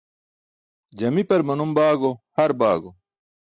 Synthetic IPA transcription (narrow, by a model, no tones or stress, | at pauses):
d͡ʑɐmipɐɾmɐnumbaːɡohɐɾbaːɡo